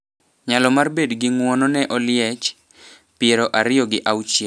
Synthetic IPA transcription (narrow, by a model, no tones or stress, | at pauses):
ɲalɔmarbedɡɪŋwɔnɔnɛʔɔlɪɛt͡ʃ | pɪeɾɔʔaɾɪɔɡɪʔawt͡ʃjɛ